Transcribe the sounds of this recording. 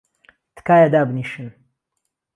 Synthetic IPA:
t̪ɨ̥kaːjad̪aːbɨniʃɨn

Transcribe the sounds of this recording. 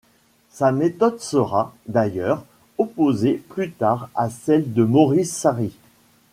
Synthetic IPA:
samet̪ɔd̪səʁad̪ajœʁ | ɔpozeplyt̪aʁasɛld̪əmɔʁisːaʁi

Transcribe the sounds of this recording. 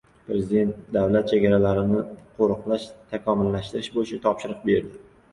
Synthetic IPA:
pɾe̞zɪd̪e̞nt̪d̪avlat̪̚t͡ʃʰeɡʲaɾalaɾɪnɪqʰoɾʊqlˠaʃt̪ʰakʰɒmɪlːaʃt̪ɪɾɪʃbojɪt͡ʃʰat̪ʰɒpʃɪɾɨq̚be̞ɾd̪ɪ

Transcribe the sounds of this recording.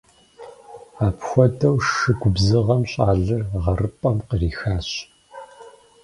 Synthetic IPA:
aːpʰxʷɔdʰɐwʂɨɡʷʊbzɨʁɐmɕʼaːɮɨrʁɐrɨpʼɐmqəriːxaːɕ

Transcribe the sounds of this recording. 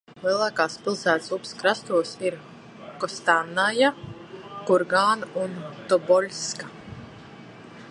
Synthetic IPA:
lˠiɛlˠaːkaːspʲilˠsæːt̪supskɾast̪uɔsiɾ | kɔst̪anːaja | kuɾɡaːnunt̪ɔbɔlʲska

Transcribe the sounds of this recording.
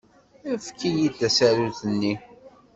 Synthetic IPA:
æfkːijid̪æsæɾuθənːi

